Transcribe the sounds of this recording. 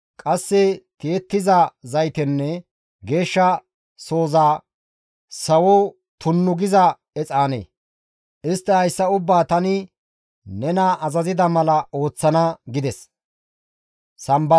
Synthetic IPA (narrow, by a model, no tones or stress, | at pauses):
kʼɐsːɛt̪eːt̪ːɪzɐzɐjt̪ɛnːɛ | ɡe̞ːʃːɐ | so̞ːzaː | sɐwɔ | t̪ʊnːʊɡɪzɐ | ɛt͡sʼaːnḛː | ɪst̪ːɛhɐjsːɐʊbːaːt̪ɐnɪ | nɛnɐʔɐzɐzɪd̪ɐmɐlɐo̞ːt͡sːɐnɐɡɪd̪ɛs | sɐmbɐ